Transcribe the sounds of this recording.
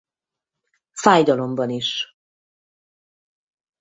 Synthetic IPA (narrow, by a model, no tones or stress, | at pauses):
faːjd̪ɒlo̞mbɒniʃ